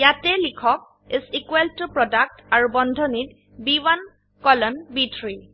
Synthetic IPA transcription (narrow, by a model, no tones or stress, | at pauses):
jatɛlikʰɔk̚ | isikweltupɹɔdak̚taɹubɔndʱɔnit̚ | biwan | kɔlɔnbitʰɹi